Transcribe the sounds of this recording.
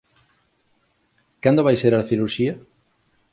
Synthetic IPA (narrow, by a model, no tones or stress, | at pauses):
kand̪oβajseɾaθiɾuɾʃia